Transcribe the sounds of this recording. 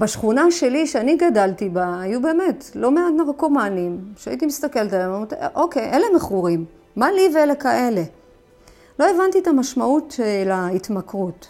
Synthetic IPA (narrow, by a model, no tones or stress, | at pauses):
baʃχunaʃe̞liʃeaniɡadaltibaːjube̞ːmetlo̞meadnaʁko̞manimʃea̰itimist̪ake̞ltalammtʔo̞ke̞jʔele̞meχuʁimː | alivelekaʔe̞le̞ | lo̞evantietamaʃmautːlaitmakʁut